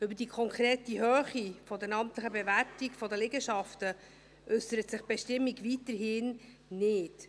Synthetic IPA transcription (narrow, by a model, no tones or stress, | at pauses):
ʏbədiːkʰɔŋkʰɾeːtiɦøːχifɔdɛnɑmtləχəbevæɾtikfɔdəlɪɡəʃɑftə | ʔʏsəɾətsɪχb̥eʃtɪmːiɡvitəɾɦɪn | nɪːt